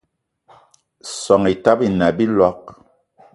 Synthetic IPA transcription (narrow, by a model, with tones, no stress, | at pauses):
sɔ˨ŋi˨ta˦pi˦˨na˨bi˦lɔ˦k̚